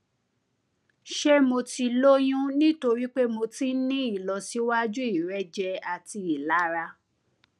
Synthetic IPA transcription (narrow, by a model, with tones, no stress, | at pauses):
ʃe˦mo˧ti˧lo˦j̃ũ˦nĩ˦to˧ɾi˦k͡pe˦mo˧ti˦nĩ˦i˦˨lɔ˨si˨˦wa˦d͡ʒu˦i˦˨ɾɛ˦d͡ʒɛ˧a˨ti˧i˨la˨˦ɾa˧